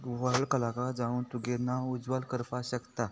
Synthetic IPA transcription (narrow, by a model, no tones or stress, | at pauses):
ʋəɭkəlakad͡zãuːnt̪uɡenːaud͡zʋalkəɾpaɕəkt̪a